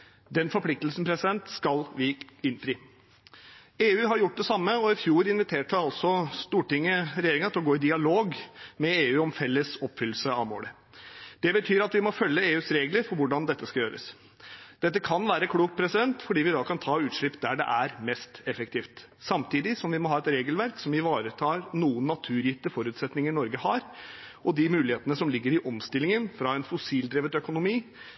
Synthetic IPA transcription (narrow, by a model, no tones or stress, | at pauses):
d̪ɛnfɔɾplɪk̚t̪əlsn̩pʰɾɛsɪd̪ɛnt̪skɑlʋɪɪnfɾiː | eːʉːɦɑɾjʊʈ̚ːd̪ɛsɑmːəɔɪfjuːɾɪnʋɪt̪ʰeːʈəɑlsɔst̪uːʈɪŋːəɾɛjeːɾɪŋət̪ʰɪlɔɡoːɪd̪ɪɑloːɡmɛeːʉːɔmfɛlːəsɔpːfʏlːsəɑ̰ʋmo̰ːlə | d̪̥ɛbət̪ʰyːɾɑt̪ʋɪmɔfœlːəeːʉːsɾeːɡləɾfɔɾʋʊɖɑnd̪ɛt̪ːəskɑljøːɾə̰s | d̪̥ɛt̪ːəkʰɑnʋæːɾəkʰɽuːk̚t̪̚pʰɾɛsɪd̪ɛnt̪fɔɖiːʋɪd̪ɑːkʰɑnt̪ʰɑːʉːt̪ʂɭɪpːd̪æɖɛ̰ʔæɾmɛst̪ɛfək̚t̪ʰiːft̪ | sɑmt̪ʰiːd̪ɪsɔmʋɪmɔɦɑːɛt̪ɾeːɡəlʋæɾksɔmɪʋɑːɾət̪ʰɑːɾnuːənːɑt̪ʰʉːɾjɪt̪ːəfɔɾʉːt̪sɛt̪nɪŋəɾnɔɾɡəhɑɾɔd̪ɪmʉːlɪheːt̪ənəsɔmlɪɡːəɾɪʔɔmst̪ɪlɪŋənfɾɑɛnfʊsiːld̪ɾeːʋət̪œkʊnʊmiː